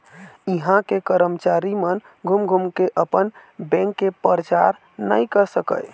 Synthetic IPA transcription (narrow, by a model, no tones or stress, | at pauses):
iɦãkekəɾəmt͡ʃaɾimən | ɡʱumɡʱumkeʔəpənbɛ̃ŋkːepəɾt͡ʃaɾ | nəjkəɾsəkə̰j